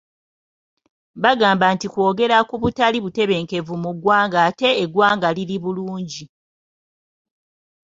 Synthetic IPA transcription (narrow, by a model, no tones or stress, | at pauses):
βaɡaːmbantikwo̞ːɡe̞ɾakuβutaliβute̞βe̞ːŋke̞vumuɡwaːŋɡaːte̞ːɡwaːŋɡaliliβuluːɲɟi